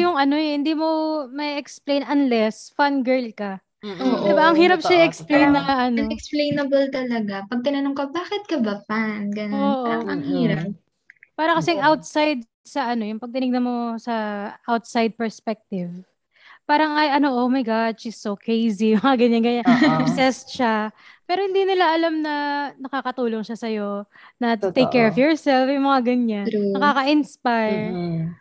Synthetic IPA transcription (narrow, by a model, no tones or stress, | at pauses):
jʊŋɐnohɪnd̪iːmo̞mɐiʔɛksplejnɐnlɛsfanɡɛɹlkɐ | oʔddɪbaʔɐŋhiːɾɐp̚ʃʃaiʔɛksplejnːɐʔɐnɛksplejnɐbɐlt̪ɐlɐɡapɐɡ̚t̪ɪnɐnoŋkɐbaːkɪt̪̚kɐbɐpanɡɐnoːʔaoɾɐŋhiːɾɐp̚ | paːɾɐkɐsɛŋʔawt̪̚sajd̪̚ | sɐʔɐno̞jʊŋpɐɡ̚t̪ɪnɪɡ̚nɐmo̞sɐʔawt̪̚sajd̪̚pɛɹspɛk̚t̪ɪv | paːɾɐŋɐjɐno̞ʔomɐjɡadʃisːokɹejzimɐŋaɡɐɲjanɡɐɲanbsɛst̪ʃapɛːɾohɪnd̪iːnɪlaʔɐlamnɐnɐkakɐt̪uːloŋʃasɐjo̞ | nɐt̪ejkːɛɹɔfjɔɹsɛlfjʊŋmɐŋaɡɐɲanɐkaːkɐʔɪnspajɹ